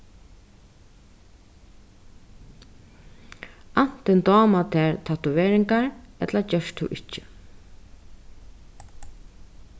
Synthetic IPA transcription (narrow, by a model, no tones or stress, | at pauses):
an̥t̪ɪnt̪ɔːmat̪ʰɛːɹt̪ʰat̪ʊʋeːɾɪŋkaɹɛt̪lat͡ʃœʂt̪ʰṵʔɪt͡ʃːɪ̥